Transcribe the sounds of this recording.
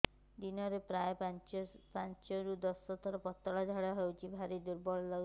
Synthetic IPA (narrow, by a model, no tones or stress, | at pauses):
d̪inɔɾepɾaj | pant͡ʃɔɾud̪ɔsɔt̪ʰɔɾɔpɔt̪ːɔɭad͡ʒʱaɽɔɦewt͡ʃʰibʱaɾid̪uɾbɔɭɔlɔ